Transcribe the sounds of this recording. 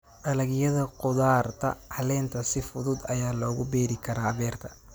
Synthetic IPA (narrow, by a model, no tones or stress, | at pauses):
ʔɐlɐɣjɐðɐqʊðaːrt̪ʰɐ̰hɐlɛːnt̪ʰɐsɪfʊðʊd̪ɐjaːlɔːɣʊbɛːɾɪkʰɐɾaːβɛːrt̪ʰɐ